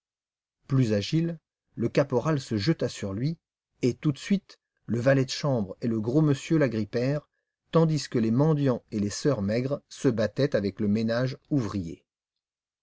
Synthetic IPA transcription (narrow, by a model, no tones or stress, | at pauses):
plyzaʒil | ləkapɔʁalsəʒət̪asyʁlɥi | et̪ut̪sɥit̪ | ləvalɛd̪əʃɑ̃bʁeləɡʁoməsjølaɡʁipɛʁ | t̪ɑ̃d̪iskəlemɑ̃d̪jɑ̃elesœʁmɛɡʁsəbat̪ɛt̪avɛkləmenaʒuvʁijḛ